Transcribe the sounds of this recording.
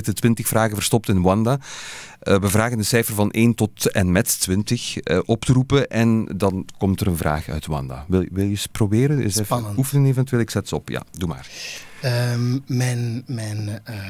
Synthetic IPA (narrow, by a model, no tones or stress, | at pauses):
ɪtətwɪntəxfraːɣəvərstɔp̚tɪnwɑnda | əʋəvraːɣəndəsɛjfərvɑnʔeːntɔtɛnmɛttwɪntəxəʔɔptəɾupəʔɛndɑnkɔmtəɾənvra̰ːxœ̰ɥtwɑ̰nda̰ʋɪlˠʋɪlˠjəsprobeːɾənɪufənəneːvɛntyʋeːlˠɪksɛtsəɔpja̰duma̰ːrəmɛnmɛn